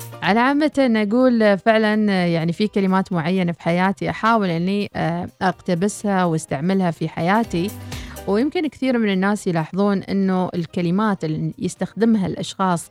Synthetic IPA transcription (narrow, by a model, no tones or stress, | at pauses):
ʕalaʕamːat̪ʔnːʔaɡuːlfɪʕlanjaʕnifikalɪmaːt̪mʊʕajːanafi̥ħajaːt̪iʔaħaːwɪlʔɪnːiʔaqt̪abɪshawast̪aʕmɪlhafiħajaːt̪iwjɪmkɪnkθiːɾmɪnɪnːaːsjlɑːħɨðˤuːnʔɪ̰nːuʔɪ̰lkalɪmaːt̪ɪljɪst̪axd̪ɪmɦalʔɑ̰ʃxɑːsˤ